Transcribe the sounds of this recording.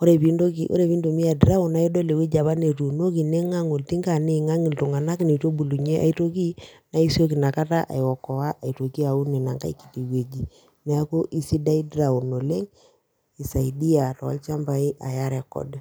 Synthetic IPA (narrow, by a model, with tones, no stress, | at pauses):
o˦ɾe˨pi˦ndo˦ki˨ʔo̰˦ɾe˨βi˦ndo˨mi˦a˨dɾa˦ʊ˨na˨˦i˦do˦le˨wi˦d͡ʒa˨βa˦ne˨tu˨no˦ki˨ne˦ŋa˦ŋo˨lti˦ŋɡa˨nɪ˦˨ŋa˦ŋɪ˨ltu˨ŋa˨na˦ki˦ne˨to˦bu˨lu˨ɲe˦ʔa̰˨i˦to˦k̬i˦na˦i˦so˦ki˨na˨ka˦ta˦ʔa̰˨jwɔ˨kɔ˨wa˦ʔa˨i˨to˨ki˦a˨u˦ni˨na˨ŋɡa̰˦i˦ki̥˨ti˨we˨d͡ʒi˨ | mɛ˨a˦ko˦ʔi˦si˦da˦i˦dɾa˨u˨no˨le˦ŋ | i˨sa˨i˨di˦a˨tɔ̰˨˦lt͡ʃa˦mba˨i˦ʔa˨ja˦ɾɛ˨kɔ̰˨d